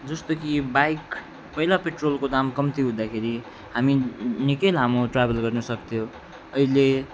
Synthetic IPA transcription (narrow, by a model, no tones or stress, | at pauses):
d͡zʌst̪okibajk | pʌilapeʈrolkod̪amkʌmt̪ʰiɦũd̪akʰeɾi | ɦaminikelɦamoʈrabʱelɡʌrnʌsʌkt̪ʰjo | ʌile